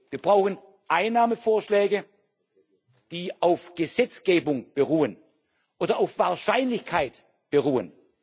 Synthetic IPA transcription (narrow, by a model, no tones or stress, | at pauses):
viːɐb̥ʁaʊxən̩ | ʔaɪnaːməfoːɐʃlɛːɡə | d̥iːʔaʊfɡ̥əzɛt͡sɡ̥eːbʊŋb̥əʁuːən | ʔoːdɐaʊfv̥aːɐʃaɪnlɪçkʰaɪt | b̥əʁuːə̰n